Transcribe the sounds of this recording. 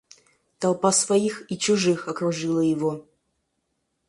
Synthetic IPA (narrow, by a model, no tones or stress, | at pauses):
t̪ɐlˠpasvɐjixit͡ʃʊʐɨxɐkɾuʐɨlˠəjɪvo